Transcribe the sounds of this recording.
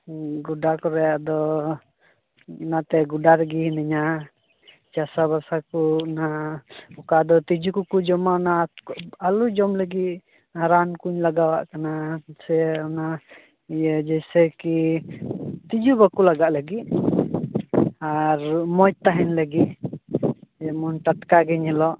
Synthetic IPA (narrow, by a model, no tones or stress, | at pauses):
ɡuɖakɔɾɛjaʔd̪ɔ | nat̪ɛɡuɖaɾɡihnɛɲa | t͡ʃasaβasakunaɔkad̪ɔt̪id͡ʒukukud͡ʒɔmanaalud͡ʒɔmləɡit̪̚ | aɾankuɲlaɡawa̰ʔkanasɛɔna | ɛjəd͡ʒɛjsɛki | t̪id͡ʒubakulaɡaʔləɡiʔ̚ | aɾmɔjt̪aɦɛnləɡiʔ | ɛmɔnʈ̪at̪̚kaɡɛɲɛlɔʔ